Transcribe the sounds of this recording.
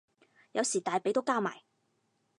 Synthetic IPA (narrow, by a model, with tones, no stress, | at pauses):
jɐ˨˧wsiː˨˩t̪aː˨jpe˨˥jt̪o˥wkaː˥ma̰ː˨˩j